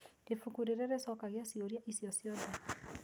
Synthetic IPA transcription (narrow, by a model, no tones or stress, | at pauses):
efukuɾeɾɛɾesɔkaɣjasioɾjaʔisjɔsjɔda